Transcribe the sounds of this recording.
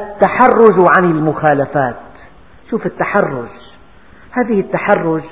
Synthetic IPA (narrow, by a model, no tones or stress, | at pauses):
ɪt̪ːaħarːʊd͡ʒwʕanɪlmʊxaːlafaːt̪ | ʃuːfɪt̪ːaħarːʊ̰d͡ʒ | haːðɪhɪt̪ːaħarːʊd͡ʒ